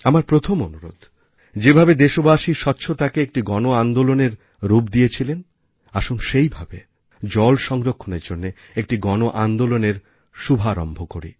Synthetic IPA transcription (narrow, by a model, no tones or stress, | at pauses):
amaɾpɾot̪ʰomonuɾo̰d̪ʱ | d͡ʑebʱabed̪eʃobaʃiʃɔtːɕʰot̪akeek̚ʈiɡɔnoand̪oloneɾ | ɾupd̪ijet͡ɕʰilen | aʃonʃejbʱabe | d͡ʑɔlʃɔŋɾokʰːoneɾd͡ʑonːe | ek̚ʈiɡɔnoʔand̪oloneɾ | ʃubʱaɾɔ̰mbʱokoɾḭ